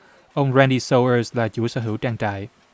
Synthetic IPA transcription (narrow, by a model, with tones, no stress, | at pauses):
ʔə˧wŋ͡mɹɛː˧ni˧so˧wə˧slaː˨˩t͡ɕu˨˧˩sə̰ː˧˦ɦɨ˧˦wt͡ɕaː˧ŋt͡ɕa̰ː˧˨j